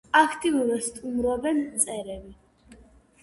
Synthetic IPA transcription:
akʰt̪ʼivuɾast̪ʼumɾabɛnt̪sʼɛɾɛbi

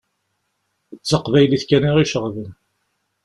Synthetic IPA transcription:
ət͡sːəqvæjliθkæniʁiʃəʁvən

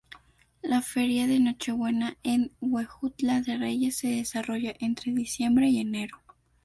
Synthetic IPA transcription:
lafe̞ɾjaðe̞no̞t͡ʃe̞βwe̞naenwwexut̪laðe̞re̞ʝe̞sːe̞ðe̞saro̞ʝaʔent̪ɾe̞ðisje̞mbɾe̞ie̞ne̞ɾo̞

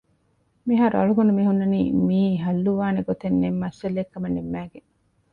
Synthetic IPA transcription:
miɦaːɾuɐ̰ɭuɡɐnumiɦunːɐniːmiːɦɐlːuʋaːneɡot̪enːemːɐselekːɐmɐnːemːæːɡeŋ

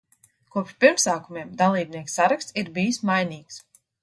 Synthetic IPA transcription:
kuɔpʃpiɾmsaːkumeɛmd̪alˠiːb̚niɛksaɾakst̪iɾbijismajniːks

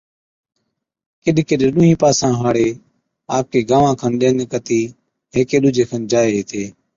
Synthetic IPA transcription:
kɪɗkɪɗeɗʊːɦĩːpaːsãːɦaːɽeː | aːp̚keːɡaːʋãːkʰənɗeːneːkət̪iː | ɦeːkeːɗʊːd͡ʒʱeːkʰənd͡ʒaːeːɦeːt̪ʰeː

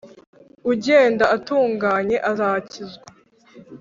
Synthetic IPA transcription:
uɟe̞ːndaatuːŋɡaːɲe̞ʔazacizɡa

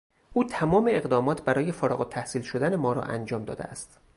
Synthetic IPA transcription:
ʔuːt̪ʰæmɒːmeeɣd̪ɒːmɒːt̪ʰbæɾɒːjefɒɾɒ̰ɣot̪ʰːæhsiːlʃod̪æne̞mɒːɾɒ̰ʔænd͡ʒɒːmd̪ɒ̰ːd̪eæ̰st̪

